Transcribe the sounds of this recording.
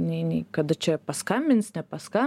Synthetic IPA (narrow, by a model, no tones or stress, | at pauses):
nʲɛɪnʲɛɪkɐd̪ɐt͡ʃʲɛpɐskɐmʲbʲɪnsnʲɛpɐskɐ